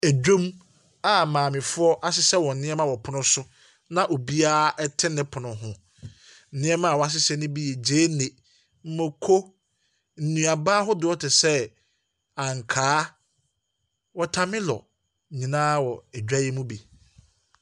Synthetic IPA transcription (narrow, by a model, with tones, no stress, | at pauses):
æ˨d͡ʑᶣõ˦m | a˦mãː˨mɪ̃˨fʊ˦ɔ˦ʔa˦sɪ˦sɛ˦wɔ̃˨n̩˨nɪ̃˦ɛ˦mã˦wɔ˨pʰʊ˨nʊ̃˦sʊ˦ | nã˦ʔo˨bi˦aː˦ɛ˦tʰɪ̃˦nɪ̃˦pʰʊ˨nʊ̃˨ɦʊ̃˨ | n̩˨nɪ̃˦ɛ˦mã˦˨wɔ˨˦a˦s̬ɪ˦sɛ˦nʊ̃˦bi˦jɛ˨d͡ʑeː˦nẽ˨ | m̩˦mõ˨kʰo˦ | n̩˨nũ˨a˨baː˦ɦʊ˦dʊ˨ɔ˦tʰɪ˨sɛ˦ | ã˨ŋ˨kʰaː˦ | wɔ˨tʰa˨mɪ̃˦lɔ̰˨ | ɲĩ˨nãː˦wɔ˨æ˨d͡ʑᶣa˦jɛ˦mũ˦bi˨